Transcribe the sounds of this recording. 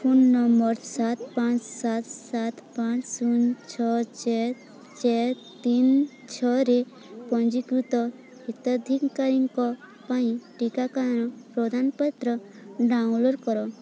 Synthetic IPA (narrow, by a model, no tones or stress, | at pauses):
pʰunːɔmbɔɾsat̪pãt͡ʃsat̪sat̪pãt͡ʃsunt͡ʃʰɔt͡ʃɛ | t͡ʃɛ | t̪int͡ʃʰɔɾe | pɔnd͡ʒikɾut̪ɔ | ɦit̪əd̪ʱikkaɾiŋkɔpaĩʈikakaɾɔpɾɔd̪anpət̪ɾɔɖaũŋloɾkɔɾɔ